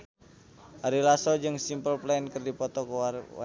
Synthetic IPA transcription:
ʔaɾilasɔd͡ʒɨŋsimpəlplainkɨrdipɔt̪ɔk

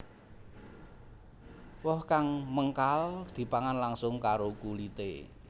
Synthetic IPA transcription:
wɔhkaŋməŋkald̪̥i̤paŋanlaŋsʊŋkaɾokulit̪ḛ

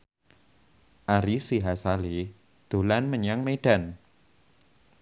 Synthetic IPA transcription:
ʔaɾisiɦasali | d̪̥o̤lanməɲaŋmeɖ̥a̤n

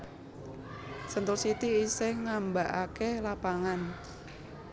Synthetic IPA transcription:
sənt̪ʊlsit̪iːseŋambaʔakelapaŋan

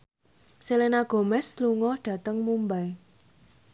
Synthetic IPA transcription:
selenaɡ̥o̤mɛsluŋɔhɖ̥ä̤t̪əŋmumbaj

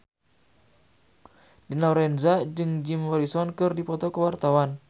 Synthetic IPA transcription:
dinaɾɛnzad͡ʒɨŋd͡ʒimwɔɾisɔnkɨrdipɔt̪ɔkəwart̪awan

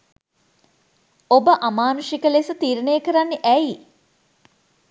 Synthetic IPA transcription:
obəʔamaːnuʃikəlesət̪iːɾənejəkəɾanːeʔæi

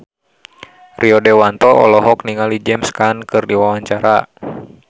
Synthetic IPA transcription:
rʔiɔdɛwant̪ɔʔɔ̰lɔɦɔk̚niŋalid͡ʒɛmskankɨrdiwawaɲt͡ʃaɾa

